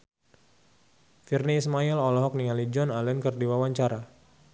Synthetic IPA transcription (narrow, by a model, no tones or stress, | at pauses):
firniːsmailɔlɔɦɔk̚nialid͡ʒɔnalɛnkərdiwawaɲt͡ʃaɾa